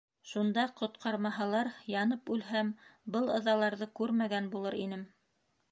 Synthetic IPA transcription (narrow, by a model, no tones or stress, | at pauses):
ʃund̪ɑqŏt̪qʰɑɾmɑɦɑlˠɑɾjɑnɤpʉlɦæmbɤlˠɤ̆ðɑlˠɑɾðɤkʉɾmæɡænbulˠɤɾinɘm